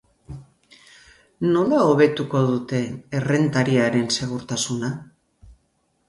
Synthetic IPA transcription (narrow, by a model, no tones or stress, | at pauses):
no̞laoβ̞e̞t̪uko̞ðut̪e̞ːre̞nt̪aɾiaɾe̞nse̞ɣ̞uɾt̪asuna